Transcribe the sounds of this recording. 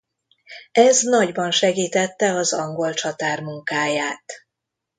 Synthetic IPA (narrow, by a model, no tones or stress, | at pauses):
ɛznɒɟbɒnʃɛɡiːt̪ɛt̪ːɛɒzɒŋɡo̞lt͡ʃɒt̪aːrmuŋkaːjaːt̪